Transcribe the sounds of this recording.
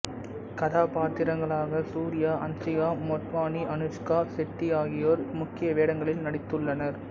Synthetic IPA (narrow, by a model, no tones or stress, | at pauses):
kɐðaːpaːt̪ːɪɾɐŋɡɐɭaːɣɐsuːɾɪjaːʔɐnsɪjaːmoːʈ̪ʋaːniʔɐnɯʂkaːsɪʈːiaːɣɪjoːɾmʊkːɪjɐʋeːɽɐŋɡɐɭɪlnɐɽɪt̪ːɯɭːɐnɐɾ